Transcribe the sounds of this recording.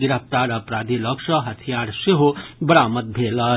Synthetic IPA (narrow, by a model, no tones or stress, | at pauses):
ɡiɾəp̚t̪aɾəpɾad̪ʱiləkʂəɦət̪ʰijaɾseɦobəɽaːmət̪̚bʱelə